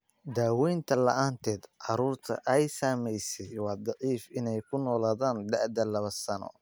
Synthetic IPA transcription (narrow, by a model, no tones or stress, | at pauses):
d̪aːwɛjnt̪ʰɐlɐʔaːnt̪ʰɛːd̪ʕɑɾuːrt̪ʰɐ̰ʔɛjsaːmɛjsɛjwɑːd̪ɑʕiːfɪnɛjkʰʊnɔːlaːðaːnd̪ɐʕd̪ɐlɐβɐsɐnɔ̰